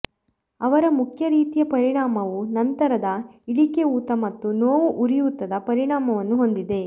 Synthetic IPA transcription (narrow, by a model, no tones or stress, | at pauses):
ɐʋɐɾɐmukʰjɐɾiːt̪ijɐpɐɾiɳaːmɐʋunɐnt̪ɐɾɐd̪ɐiɭikeuːt̪ɐmɐt̪ːunoːʋuʔuɾijuːt̪ːɐd̪ɐpɐɾiɳaːmɐʋɐnːuɦo̞nd̪id̪e̞